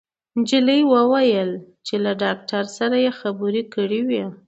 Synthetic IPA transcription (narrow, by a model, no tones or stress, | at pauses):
d͡ʒiləjwəwajəl | t͡ʃelaɖɑk̚ʈaɾsaɾajexabuɾikəɽiwi